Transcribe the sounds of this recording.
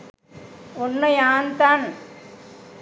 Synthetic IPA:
ɔnːɐjaːnt̪aːn

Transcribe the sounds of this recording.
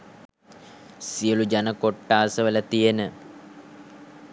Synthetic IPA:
sijəlud͡ʒanəkoʈːaːsəʋələt̪ijenə

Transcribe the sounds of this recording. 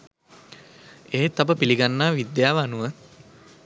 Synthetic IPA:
eːt̪abəpiliɡanːaːʋid̪jaːʋanuʋə

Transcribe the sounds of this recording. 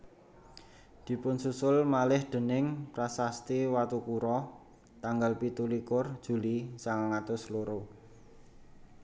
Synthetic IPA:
d̪̥i̤pʊnsusʊlmalɪhd̪̥ə̤nɪŋprasast̪iwat̪ukuɾɔ | t̪aŋɡalpit̪ulikʊrd̥ʒ̥ṳlisaŋaŋat̪ʊsloɾo

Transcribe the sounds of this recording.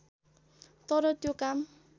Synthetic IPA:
t̪ɔɾɔt̪jokam

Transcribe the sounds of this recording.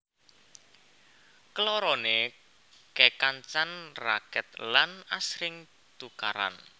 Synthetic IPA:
kəlɔɾɔne | kekant͡ʃanra̰kɛt̪̚lanasɾɪŋ | t̪uka̰ɾa̰n

